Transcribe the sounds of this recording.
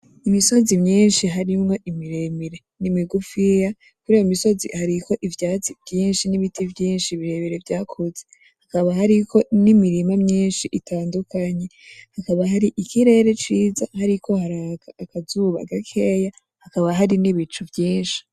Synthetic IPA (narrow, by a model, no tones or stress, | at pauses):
imiso̞zimɲiːnʃiɦaɾimŋo̞ʔimiɾe̞miɾe̞ | nimiɡufija | kuɾiːjomiso̞zḭhaɾikʰo̞ʔivjaːt͡sivjiːnʃiniβitʰivjiːnʃiβiɾe̞βiɾevjaːkʰoze | hakaβahaɾikʰo̞nimiɾimamɲiːnʃiʔitʰaːndukʰaɲe̞ | hakaβaɦaɾiʔikiɾe̞ɾe̞t͡ʃiːzahaɾikʰo̞haɾakaːkazuβa̰ɡakʰe̞ja | hakaβaɦaɾiniβit͡ʃuvjiːnʃi̥